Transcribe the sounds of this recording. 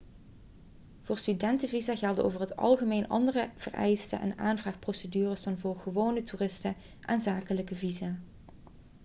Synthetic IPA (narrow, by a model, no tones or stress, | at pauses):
v̥ʊːɹstydɛntəvizaːɣɛlˠdəo̰wvərɦətɑ̰lˠχəmejnɑ̰ndərəv̥ə̰rʔɛ̰jstə̰ʔɛ̰naːnvraːχprowsədyːrəsdɑnvʊːɹχəʋownətuːrɪstə | ʔaːnzaːkələkəvizaː